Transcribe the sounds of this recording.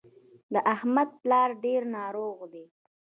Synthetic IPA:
d̪əʔahmad̪̚plɑɾɖeɾnɑɾoɣd̪e

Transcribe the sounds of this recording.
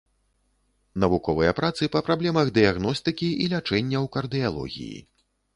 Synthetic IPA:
nɐvukɔvɨjɐpɾat̪sɨpɐpɾablʲɛmɐɣd̪ɨjaɣnɔst̪ɨkʲiilʲat͡ʂɛnʲːɐwkɐrd̪ɨjalˠɔ̰ɣʲḭjḭ

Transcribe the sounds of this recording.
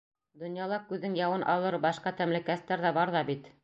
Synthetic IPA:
d̪ŏnjɑlˠɑkʉðːɘŋjɑwɤnʔɑ̰lˠɤɾbɑʃqɑt̪æmlɘ̆kæst̪ːæɾðæbɑɾðɑbit̪

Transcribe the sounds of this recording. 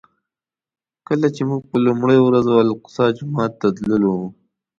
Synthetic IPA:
kəlat͡ʃemuɡ̚pəlumɽəjowɾazwalqʊ̥sɑd͡ʒʊmɑːt̪ːat̪ləlo

